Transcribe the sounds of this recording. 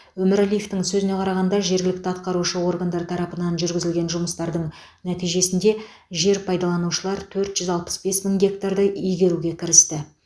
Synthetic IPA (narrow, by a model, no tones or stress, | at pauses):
wɵmɪɾælʲijeft̪ɪŋsɵzɪne̞qʰɑɾɑʁɑnd̪ɑʒe̞ɾɡʲɪlɪk̚t̪ɪɑt̪̚qɑɾuʃəwo̞rɡand̪ɑɾt̪ʰɑɾɑpənɑnʒʏɾɡʲɪzɪlɡʲe̞nʒʊməst̪ɑɾd̪əɴ | næt̪ijʒe̞sɪnd̪e̞ | ʒe̞ɾpʰɑjd̪ɑlˠɑnuʃəlˠɑɾt̪ʰɵɾt̪ʒ̥ʏzɑlˠpə̥sbe̞sməŋɡʲe̞k̚t̪ard̪əijɡʲe̞ɾuɡʲe̞kʲʰɪɾɪst̪ɪ